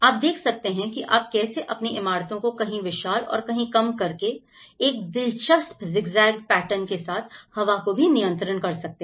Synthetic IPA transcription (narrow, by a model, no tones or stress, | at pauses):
aːp̚d̪eːkʰsɐk̚t̪eɦɛ̃kiʔaːp̚kɛːseʔɐpniɪmaːɾt̪õkokɐɦĩʋɪʃaːlɔ̰ːɾkɐɦĩkɐmkɐɾke | eːk̚d̪ɪlʃəspzɪɡzaːɪɡ̚pɛːʈənkesaːt̪ʰhɐʋakobʱinijə̃nt̪ɾənkɐɾsɐk̚t̪e